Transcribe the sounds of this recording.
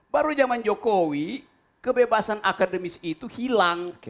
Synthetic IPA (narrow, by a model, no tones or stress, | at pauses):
baɾud͡ʒamand͡ʒokowi | kəbebasanʔakadəmisit̪uhilaŋ